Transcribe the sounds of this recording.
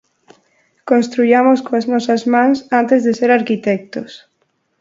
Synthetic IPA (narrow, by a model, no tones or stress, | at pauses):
kõnst̪ɾuʎamoskoaznɔsɐzmãŋsant̪ezðeseɾaɾkit̪ɛk̚t̪os